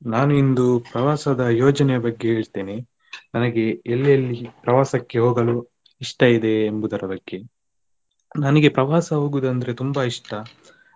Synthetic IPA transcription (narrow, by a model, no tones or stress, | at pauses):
naːnuind̪upɾɐʋaːsɐd̪ɐjɔːd͡ʒɐnɛjɐbɐɡːe̞ɦe̞ːɭt̪e̞ːne | nɐnɐɡe̞elːjɐlːipɾɐʋaːsɐkːe̞ɦoːɡɐlu | iʂʈɐid̪e̞ːmbud̪ɐɾɐbɐɡːe̞ | nɐnɐɡe̞pɾɐʋaːsɐɦoːɡud̪ɐnd̪ɐɾet̪umbaiʂʈɐ